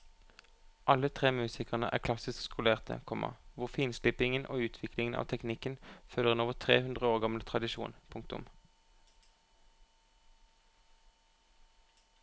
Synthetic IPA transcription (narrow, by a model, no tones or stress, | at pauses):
ʔɑlət̪ʰʁeːmʉːsɪkəʁnəʔæ̰ːʁkʰlɑsɪskskʰʊleːʁt̪ʰə̰kʰɔmʔə̰ʁʋʊʁfiːnslɪpɪŋənʔo̰ːʉːt̪ʰʋɪklɪŋənʔɑ̰ːʋt̪ʰɛknɪkənfœləʁɪnoːʋət̪ʰʁeːhʉnd̪ʁəoːʁɡɑmlət̪ʰʁɑd̪ɪʃṵːnpʰʊŋk̚t̪ʊ̰m